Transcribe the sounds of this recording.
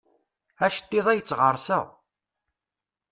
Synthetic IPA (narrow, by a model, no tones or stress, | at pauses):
æʃə̥t̪ːiðˤæjət͡sːʁəɾˤsæ̰